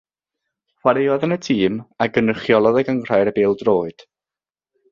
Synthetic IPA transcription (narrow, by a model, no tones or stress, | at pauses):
χwaɾɪwaðənətʰiːmaɡənəχjɔlˠɔðəɡəŋr̥ajɾəbeːlˠdroːɨd̥